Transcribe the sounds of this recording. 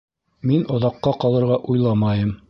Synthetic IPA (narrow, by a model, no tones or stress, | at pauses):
minŏðɑqːɑqɑlˠɤ̆ɾʁɑʔujlˠɑmɑjɤm